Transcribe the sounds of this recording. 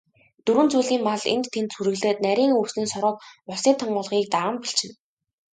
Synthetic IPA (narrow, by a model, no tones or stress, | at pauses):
t̪ɵɾwɘ̆nt͡sujɮɣiːmpaɮḛnt̪t̪ʰːent̪suɾɘ̆ɣɮeːt̪̚næɾʲiːŋɵwsniːnsɔɾɞ̆k̚ʊɮsiːnt̪ʰɔɴɢʊːɮʁiːk̚t̪aɾə̆mpiɬt͡ɕɪ̆n